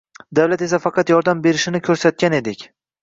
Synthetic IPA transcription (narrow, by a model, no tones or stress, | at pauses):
d̪awlat̪e̞s̬afɑqʰɑt̪jɒɾd̪ambe̞ɾɪʃɪnɪkʲʰɵɾsat̪̚kʲane̞d̪ɪkʲ